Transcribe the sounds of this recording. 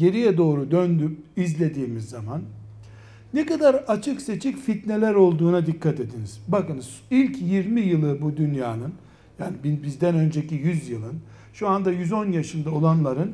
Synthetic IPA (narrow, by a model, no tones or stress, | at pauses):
ɟe̞ɾijɛd̪o̞ːɾud̪ønd̪yizlʲe̞d̪iːmizːamanː | ekad̪aɾat͡ʃʰɯkse̞t͡ʃʰicfit̪ne̞lʲæɾo̞lˠd̪uːnad̪ikʰːat̪e̞d̪iniz̥bakɯnzilʲcʰjiɾmijɯlˠɯbud̪ynjaːnɯn | jaːnibibizd̪ænø̞nd͡ʒe̞cijyzjɯlˠɯn | ʃuand̪ajyzo̞njaʃɯnd̪ao̞lˠanlˠaɾɯn